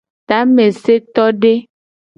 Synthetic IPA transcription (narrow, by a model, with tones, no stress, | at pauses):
t̪a˨˦mẽ˨se˦t̪ɔ˦ɖe˦